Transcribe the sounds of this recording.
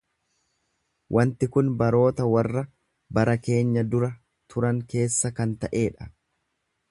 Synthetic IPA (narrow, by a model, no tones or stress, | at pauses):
wʔɐnt̪ɪkʊnbɐɾo̞ːt̪ɐwɐrːɐ | bɐɾɐke̞ːɲːɐd̪ʊɾɐ | t̪ʰʊɾɐŋke̞ːsːɐkɐnt̪ɐʔe̞ːᶑɐ̥